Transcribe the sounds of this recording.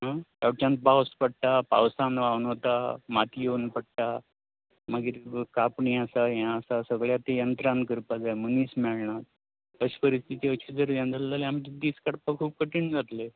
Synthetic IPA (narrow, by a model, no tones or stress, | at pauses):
ɦãt̪aʋt͡ɕãnt̪̚bawspəɽ̚ʈapa̰ʋsãnʋauɳɦot̪amat̪ʰijeunpəɽʈa | maɡiɾkapɳiasajãəsasəɡɭjat̪ejənt̪ɾãnkəɾpad͡zajməniːsmɛɭɳat̪ | əɕpəɾist̪ʰit̪iːəɕid͡zəɾd̪ãnd͡z̪əllaleamt̪id̪ːiːskaɽpakʰuːb̚kəʈiːɳd͡zat̪le